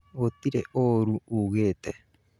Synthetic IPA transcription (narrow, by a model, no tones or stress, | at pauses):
ot̪iɾḛʔoɾuuɣet̪e